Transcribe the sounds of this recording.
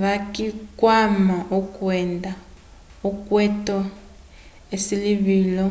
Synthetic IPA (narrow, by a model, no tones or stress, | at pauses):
βakʼikwamaukʼwɛnda | ukʼwɛtʼɔ | esiliβiːlɔ